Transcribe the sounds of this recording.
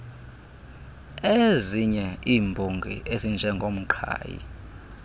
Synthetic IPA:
eziɲɛiːmbʱoŋɡʱḭʔezind͡ʒʱɛŋɡʱom̩ǃʰa̰ːjḭ

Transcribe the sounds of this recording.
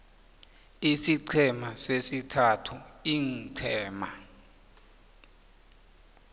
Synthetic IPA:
isiǀʰɛmasesitʰatʰuiŋǀʰɛːma

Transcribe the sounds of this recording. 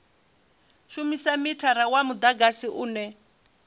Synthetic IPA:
ʃumisamitʰaɾawamud̪aɡasiʔuːnɛ

